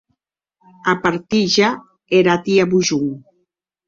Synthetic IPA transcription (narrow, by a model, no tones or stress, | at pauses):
apaɾt̪iʒa | eɾat̪iaβuʒuŋ